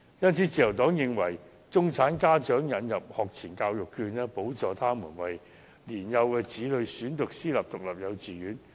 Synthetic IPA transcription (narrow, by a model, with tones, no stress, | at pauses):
jɐ˥nt͡sʰiː˨˥t͡siː˨˧jɐ˨˩wt̪ɔː˨˥ŋjɪ˨ŋwɐ˨˩j | t͡sʊ˥ŋt͡sʰaː˨˥nkaː˥t͡ʃœː˨˥ŋjɐ˨˧njɐ˨p̚hɔː˨k̚t͡sʰiː˨˩nkaː˧wjʊ˨kʰːyː˧nɛː˥po˨˥wt͡sɔː˨t̪ʰaː˥muː˨˩nwɐ˨j | liː˨˩njɐ˨˧wkɛː˧t͡siː˨˥lɵ˨˧ɥsyː˨˥nt̪ʊ˨k̚siː˥lɐ˨p̚t̪ʊ˨k̚lɐ˨p̚jɐ˨˧wt͡siː˨jyː˨˥n